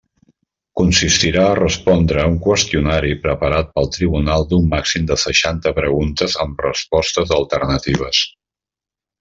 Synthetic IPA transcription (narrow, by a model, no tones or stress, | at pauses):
kunsist̪iɾaərəspɔnd̪ɾəuŋkwəst̪iunaɾipɾəpəɾat̪̚pəlˠt̪ɾiβunalˠd̪umːaksimd̪əsəʃant̪əpɾəɣunt̪əzəmrə̰spɔst̪əzəlˠt̪ərnət̪iβ̞əs